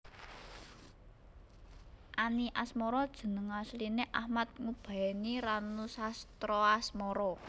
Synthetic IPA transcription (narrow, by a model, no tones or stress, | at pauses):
ʔaniʔasmɔɾɔd̥ʒ̥ə̤nəŋaslineʔahmat̪̚ŋub̥a̤ɛniɾanusast̪ɾɔasmɔɾɔ